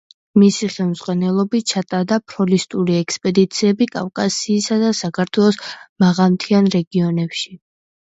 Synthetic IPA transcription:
misiχɛlˠmzʁwanɛlˠɔbit͡ʃʰat̪ʼaɾd̪apʰɾɔlist̪ʼuɾiɛkspʼɛd̪it̪sʰiɛbikʼa̰fkʼasiːsad̪asakʰaɾt̪ʰwɛlˠɔsmaʁamt̪ʰianɾɛɡiɔnɛpʃi

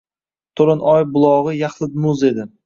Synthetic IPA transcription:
t̪ʰoɾɪnʔɒjbʊlˠɒʁɨjaχlˠɪd̪mʊze̞d̪ɪ

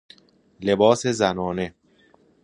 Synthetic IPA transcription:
le̞bɒːsezænɒːne̞

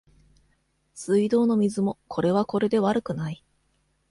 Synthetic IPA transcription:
sɨid̪o̞ːno̞mʲizɨmo̞kʰo̞ɾe̞βako̞ɾe̞d̪e̞βaɾɯ̟kɯ̟nai

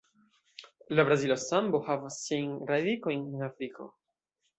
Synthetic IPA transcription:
labɾazilosãmbohavsĩnɾadikõj̃nĩnafɾikʰo̰

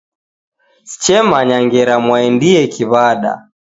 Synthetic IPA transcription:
si̥t͡ʃɛmaɲaŋɡɛɾamwaɛndiɛkiβaɗa̰

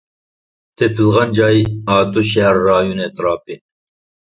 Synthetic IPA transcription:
t̪ʰepʰɪlˠʁɑnd͡ʒɑjɑːt̪ʰuʃæɾːɑːjunɛt̪ʰɾɑːpɨ

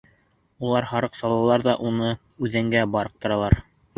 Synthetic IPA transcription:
ulˠɑɾhɑɾɤqsɑlˠɑlˠɑɾðɑʔunɤ | ʉðɘŋɡæbɑɾɤq̚t̪ŏɾɑlˠɑɾ

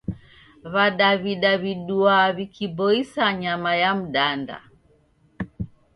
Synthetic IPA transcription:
βaɗaβiɗaβiɗuaβikʰibɔisaɲamajam̩ɗanda̰

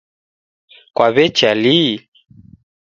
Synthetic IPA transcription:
kwaβɛt͡ʃali

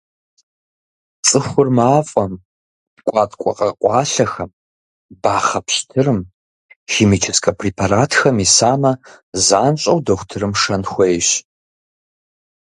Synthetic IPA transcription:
t͡sʼɨxʷʊrmaːfʼɐm | kʷʼɑːtʰʼkʷʼɔ̰qʼɐqʷʼɑːɬɐxɐm | baːχɐpɕtʰɨrɨm | xiːmit͡ʃʰɪskʰʼɐpʰriːpʰaɾaːtʰxɐmisaːmɐzaːnɕʼɐwdɐxʷtʰɨɾɨmʂɐnxʷɐjɕ

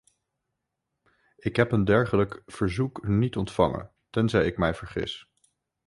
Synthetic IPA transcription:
ɪkɦɛpəndɛɹχələkfəɹzuknitɔntfɑŋə̰n | tɛnzɛjɪkmɛjv̥əɹχɪ̰s

